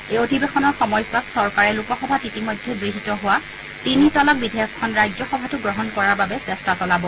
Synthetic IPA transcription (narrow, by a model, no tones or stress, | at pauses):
eotibexɔnɔɹxɔmɔjsatsɔɹkaɹɛlukɔxɔbʱatitimojdʱːɛɡɹiɦitɔɦʊwa | tinitɔlɔk̚bidʱejɔkʰːɔnɹajzɔxɔbʱatʊɡɹɔɦɔnkɔɹaɹbabɛsɛstasɔlabɔ